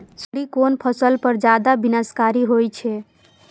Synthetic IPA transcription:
səɽikonpʰəsəlpəɾd͡ʒad̪abinəskaɾiɦojt͡ʃʰe

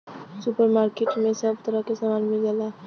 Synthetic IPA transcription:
supəɾmaɾkeʈmesəbt̪əɾəɦkesamanmild͡ʒala

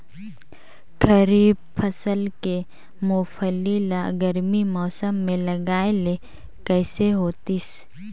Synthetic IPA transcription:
kɐɾiːbfʰɐsəlke | moːfəlilaɡɐɾmimɔːsəmːẽlɐɡaːele | kɛːseɦoːt̪is

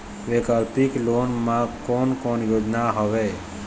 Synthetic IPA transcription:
ʋeːkalpikloːnmãkoːnkoːnjoːd͡ʒnaɦɔʋeː

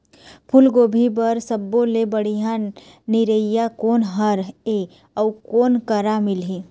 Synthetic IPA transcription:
pʰʊlɡoːbʱibəɾsəbːõlebəɽ̤iɦã | nɪɾəɪjakoːnɦəɾe | ɔʊkoːnkəɾamɪlɦi

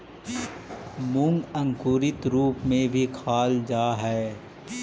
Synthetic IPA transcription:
mʊ̃ŋɡə̃ŋkuːɾɪt̪ɾuːpmẽbʱikʰaːld͡ʒaːɦɛː

